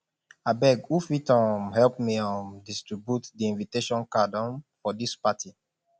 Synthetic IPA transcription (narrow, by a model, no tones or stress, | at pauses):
abɛɡufitɔ̃mhɛlpmiãmdistɹibjutdiĩnviteʃɔ̃nkadɔ̃nfɔdispatʰi